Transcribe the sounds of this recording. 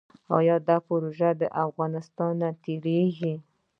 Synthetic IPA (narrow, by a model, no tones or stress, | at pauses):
ɑ̰jɑd̪ɑpʊɾoʒad̪əʔafɣɑnɪst̪ɑnːat̪eɾeɡi